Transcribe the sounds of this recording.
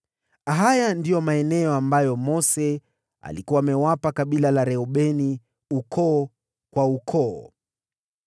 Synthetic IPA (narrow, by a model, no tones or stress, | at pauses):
aɦajandijɔmaɛnɛɔambajɔmɔsɛ | a̰likuwaːmɛwapakaɓilalaɾɛɔɓɛni | ukʰɔː | kwaukʰɔ